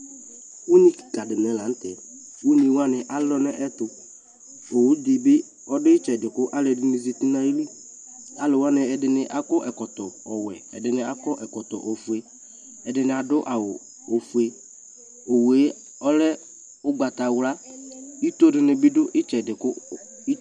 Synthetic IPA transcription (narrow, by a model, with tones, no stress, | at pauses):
u˦ni˦ki˨ka˨dɪ˨nɛ˨la˨n̩˦tɛ˨ | u˦ni˨˦wa˦nɪ˨ʔa˨lɔ˦nɛ˦ʔɛ˦tʊ˨ | o˨wʊ˦di˨bɪ˦ | ɔ˦dɪ˦ɪ˦t͡ʃɛ˨dɪ˨kʊ˦ʔa˦ldɪ˨nɪ˨zi˨ti˦na˦i˦li˦ | a˨lʊ˨wa˦nɪ˨ɛ˨dɪ˨nɪ˦ʔa˦kɔ˦ʔɛ˨kɔ˨tɔ˨ɔ˨wɛ˨ɛ̰˨dɪ˨nɪ˦a˨kɔ˦ʔɛ˨kɔ˨tɔ˨ʔɔ˨fu˨e˦ | ɛ˨dɪ˨nɪ˨a˨dʊ˦ʔa˨wʊ˨ | o˨fu˨e˦ | o˨we˨˦ | ɔ˦lɛ˦ | ʊ˦ɡ͡ba˨ta˨wla˦i˦to˦dɪ˨nɪ˨bɪ˦dʊ˦ʔɪ˦t͡ʃɛ˨dɪ˨kʊ˦